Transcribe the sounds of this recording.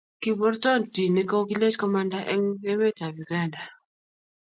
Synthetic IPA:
ki˨bɔ˦rtɔ˦˨nti˨ni˦ko˦ɡi˦le˦t͡ʃkɔ˦ma˦nda˦ʔɛ˦ŋɛ˦mɛ˦ta˨wi˨ɡa˦nda˨

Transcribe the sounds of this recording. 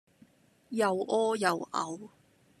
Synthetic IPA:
jɐ˨wʔɔː˥jɐ˨wʔɐ̰˨˧w

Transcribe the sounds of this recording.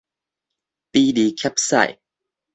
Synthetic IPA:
t̪i˦li˨˦kʰɛ˦˥p̚sa̰˥˧˩j

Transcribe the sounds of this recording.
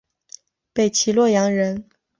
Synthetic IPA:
pe˥˩ɪt͡ɕʰi˧˥lwɔ˥˩jɑ˧˥ŋɻə˧˥n

